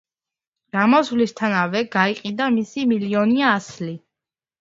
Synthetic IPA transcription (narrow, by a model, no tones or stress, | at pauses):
ɾamɔsvlist̪ʰanavɛɡaiqʼid̪amisimiliɔniaːsli